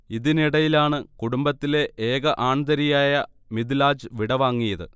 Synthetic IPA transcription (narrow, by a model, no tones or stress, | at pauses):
iðiniɽɐjilaːɳɨkuɽumbɐt̪ːile̞ʔeːɣɐʔaːɳd̪ɐɾijaːjɐ | mid̪ilaːd͡ʑɨʋiɽɐʋaːŋːijɐðɨ̰